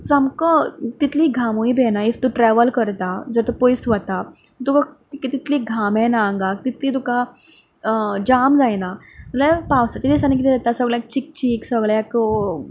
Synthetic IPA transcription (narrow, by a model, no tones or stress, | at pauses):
samkət̪it̪liːɡʱamuibɛnaift̪uʈɾɛʋəlkəɾt̪ad͡zəɾt̪əpojsʋət̪at̪ukat̪ikit̪it̪liːɡʱamɛ̃naːŋɡak̚t̪it̪liːt̪uka | d͡ʑamd͡zajna | lepawsat̪idesanik̬it̪id͡zat̪asəɡɭak̚t͡ɕik̚t͡ɕiksəɡɭek